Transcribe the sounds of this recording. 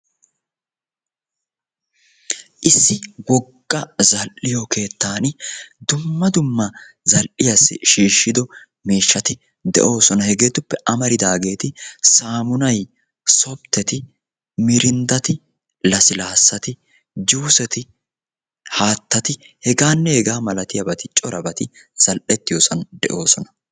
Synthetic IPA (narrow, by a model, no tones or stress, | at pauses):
ʔɪsːɪwɔɡːɐzɐlʔɪjokʰe̞ːt̪ːaːnd̪ʊmːɐd̪ʊmːɐ | zɐlʔɪjɐsːɪʃiːʃːɪd̪ɔ | miːʃːɐt̪ɪ | d̪ɛ̰ʔo̞ːsɔnɐhɛɡe̞ːt̪ʊpːɛʔɐmɐɾɪd̪aːɡe̞ːt̪ɪsaːmʊnɐj | sɔbt̪ːɛt̪ɪ | mɪɾɪnd̪ɐt̪ɪ | lɐsɪlaːsːɐt̪ɪ | d͡ʒuːsɛt̪ɪ | haːt̪ːɐt̪ɪ | hɛɡaːnːɛhɛɡaːmɐlɐt̪ɪjɐbɐt̪ɪt͡ʃʼɔɾɐbɐt̪ɪ | z̥ɐlʔɛt̪ːɪjoːsɐnd̪ɛ̰ʔo̞ːsɔnɐ